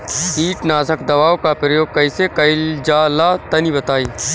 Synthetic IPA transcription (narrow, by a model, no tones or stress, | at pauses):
siːʈnaːsəkd̪ɐʋaːokapɾəjoːɡ̚kɐisekɐɪld͡ʒaːlaːt̪ɐnibɐt̪aːiː